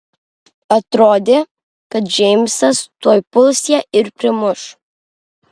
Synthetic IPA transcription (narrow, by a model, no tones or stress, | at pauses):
ɐt̪ɾoːd̪ʲeː | kɐt̪̚d͡ʒʲɛɪmʲsɐst̪uɔjpʊlˠsʲjɛʔɪɾpʲɾʲɪmʊʃ